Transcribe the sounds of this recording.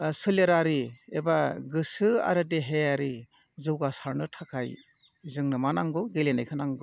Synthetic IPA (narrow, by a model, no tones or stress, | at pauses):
sɯleɾaɾiebaɡɯsɯa̰ɾɯdeɦejaɾi | zɯwɡasaɾnɯtʰakʰaj | zɯŋnɯmanaŋɡɯɡelenajkʰɯnaŋɡɯ